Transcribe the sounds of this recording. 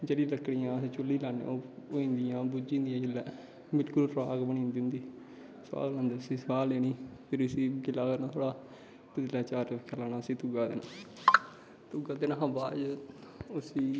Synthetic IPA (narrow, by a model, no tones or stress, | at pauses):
d͡ʒeːɽĩːləkɽijãːəsĩːt͡ʃʊlːiːlaːnḛooːĩːnd̪ijãːbud͡ʒĩːnd̪ijãːɡɪlːɛː | bɪlkʊlpɾaːɡbəɳ̃ĩːnd̪iʊ̃nd̪iː | sʋa̰ːɡlãːnd̪eːəsĩːsʋaːleːniːpʰɪɾəsiːɡɪlaːkəɾnaːt̪ʰoːɽaː | t̪əd̪laːt͡ʃaːɾkʰːaːlaːnaːəsĩːt̪ʊɡaːd̪eːnãː | t̪ʊɡaːd̪eːnãːɦãːbaːd͡ʒ | ʊsiː